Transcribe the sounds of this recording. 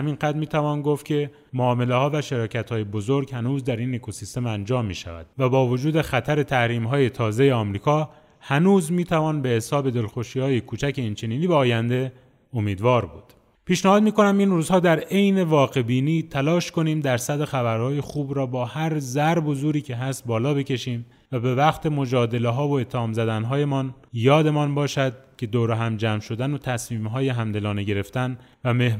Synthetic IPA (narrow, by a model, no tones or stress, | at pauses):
hæminɢæd̪miːt̪ʰævɒːnɡoft̪̚cʰʲe̞ | moɒːme̞le̞hɒːvæʃeɾɒːcʰæt̪hɒːjebo̞zoɾɡhænuːzd̪æɾinːekʰosist̪e̞mænd͡ʒɒːmːḭːʃæ̰væ̰d̪̥væbɒːvod͡ʒuːd̪e̞xæt̪ʰæɾe̞t̪ʰæhɾiːmɦɒːje̞t̪ʰɒːze̞jeɒːmɾiːkʰɒː | hænuːzmiːt̪ʰævɒːnbe̞hesɒːbe̞d̪e̞lxoʃiːhɒːje̞kʰuːt͡ʃʰæcʰe̞int͡ʃʰeniːniːbeɒːjænd̪e̞ | omiːd̪vɒːɾbuːd̪̥ | pʰiːʃnæhɒːd̪miːko̞næminruːzhɒːd̪æɾe̞jne̞vɒːɣe̞biːniːt̪ʰælɒːʃko̞niːmd̪æɾsæd̪exæbæɾhɒːjexuːbɾɒːbɒːhæɾzæɾbozuːɾiːcʰe̞ɦæst̪̚bɒːlɒːbe̞cʰe̞ʃiːm | væbe̞væqt̪ʰe̞mo̞d͡ʒɒːd̪e̞leɦɒːvoe̞t̪ʰːehɒːmzæd̪ænɦɒːje̞mɒːnjɒːd̪e̞mɒːnbɒːʃæd̪̥̚cʰʲe̞d̪oːɾeɦæmd͡ʒæːmʃo̞d̪ænot̪ʰæsmiːmɦɒːjeɦæmd̪e̞lɒːneɟe̞ɾe̞ft̪æn | væme̞h